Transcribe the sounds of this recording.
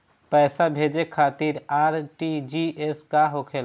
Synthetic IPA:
pɛːsabʱeːd͡ʒekʰaːt̪iːɾaːɾʈid͡ʒiʔeskaɦokʰel

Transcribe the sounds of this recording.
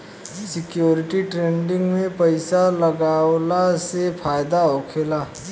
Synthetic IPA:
sɪkjoːɾɪʈiʈɾeːɳɖɪ̃ŋɡmẽpɐɪsalɐɡaːwlasepʰaːjd̪aoːkʰeːlaː

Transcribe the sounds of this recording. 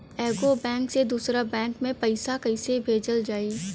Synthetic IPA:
ɛːɡobɛ̃ːŋksed̪uːsɾabɛ̃ːŋkmẽpɐɪsakɐɪsebʱeːd͡ʒəld͡ʒaːi

